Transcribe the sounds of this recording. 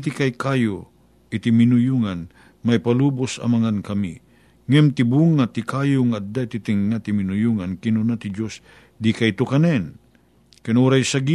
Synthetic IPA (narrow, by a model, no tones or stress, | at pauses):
t̪ɪkajkajo | ɪt̪ɪmɪnʊjuŋan | majpaluːbʊsɐ̰mɐŋankɐmḭ | ŋɛmt̪ɪbuŋat̪ɪkaːjoŋaɐd̪aɪt̪ɪt̪ɪŋːat̪ɪmɪnʊjuŋankɪnʊnat̪ɪd͡ʒos | d̪ikajt̪ʊkanɛn | kɛnoɾajsaɡi